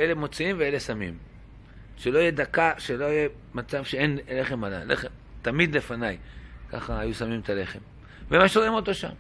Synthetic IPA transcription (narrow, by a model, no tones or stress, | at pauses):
ele̞mo̞t͡siimvee̞le̞samḭm | ʃelo̞ijed̪akaʃelo̞ije | mat͡savʃeenleχe̞mala̰lḛχem | t̪amid̪le̞fanajka̰χaːjusamimet̪ale̞χe̞m | vemaʃʁimo̞t̪o̞ʃa̰m